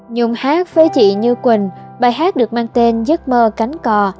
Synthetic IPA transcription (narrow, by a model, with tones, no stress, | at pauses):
ɲʊ˧˩ŋ͡mhaː˦˥k̚fe˨˦t͡ɕḭ˧˨ɲɨ˧kwï˨˩ŋ̟ɓaː˧˩jɦaː˦˥t̚ɗɨ˨˩ək̚maː˧ŋt̪e˧nzə˦˥t̚məː˧ka˨˦ŋ̟kɔ˧